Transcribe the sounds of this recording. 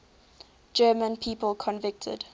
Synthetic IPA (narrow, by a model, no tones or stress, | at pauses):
d͡ʒɜːmə̃npʰiːpəlˠkʰɔ̃nvɪk̚tʰə̰d̥